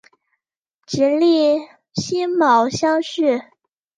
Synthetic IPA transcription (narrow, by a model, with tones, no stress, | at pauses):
t͡ɕi˧˥nli˥˩ | ɕi˥nmɑ˨˩ʊɕjɑ˥ŋɕy˥˩